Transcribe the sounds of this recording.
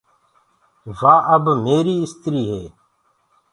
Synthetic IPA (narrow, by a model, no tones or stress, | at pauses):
ʋaːʔəbmeːɾiːɪst̪ɾiːɦeː